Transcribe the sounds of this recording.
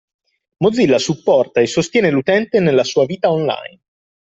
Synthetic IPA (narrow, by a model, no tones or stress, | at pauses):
mod̪zːilːasupːɔrt̪aesːost̪jɛːnelut̪ɛnt̪enelːasuːaviːt̪aonla̰jn